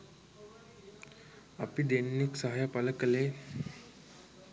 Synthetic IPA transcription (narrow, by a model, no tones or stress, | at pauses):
əpid̪enːiksəɦajəpaləkəle